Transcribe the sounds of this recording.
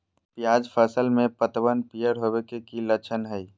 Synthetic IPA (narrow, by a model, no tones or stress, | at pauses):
pjaːd͡ʒpʰəsəlmẽpət̪wənpijəɾɦobekekilət͡ʃʰənɦəi